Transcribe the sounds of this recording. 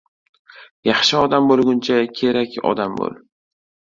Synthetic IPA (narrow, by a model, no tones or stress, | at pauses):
jɑχʃɪɒd̪ambolˠɡʲʊnt͡ʃʰakʲʰe̞ɾakʲɒ̰d̪ambo̰lˠ